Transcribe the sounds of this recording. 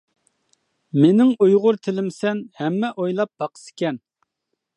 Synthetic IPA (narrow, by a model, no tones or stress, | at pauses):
menɪŋujʁʊɾt̪ʰɪlɪmsɛnhɛmːɛʔojlˠɑp̚b̥ɑqə̥sɪ̥kʲɛn